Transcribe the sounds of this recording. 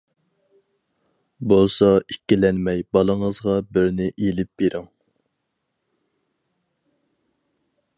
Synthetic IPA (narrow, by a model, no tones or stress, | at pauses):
bolˠsɑikʲːilɛnmɛjbɑlˠəŋəzʁɑbɪɾnɪʔelɪp̚beɾʔɪŋ